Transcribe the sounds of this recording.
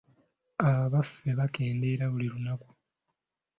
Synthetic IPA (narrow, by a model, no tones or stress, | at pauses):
aβaβafːe̞βake̞ːnde̞ːɾaβulilunaku̥